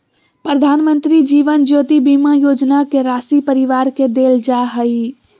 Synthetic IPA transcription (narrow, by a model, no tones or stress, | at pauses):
pɾəd̪ʱaːnmə̃nt̪ɾid͡ʒiːʋənd͡ʒoːt̪ibiːmajoːd͡ʒnakeɾaːsipəɾɪʋaːɾked̪eːld͡ʒaːɦəi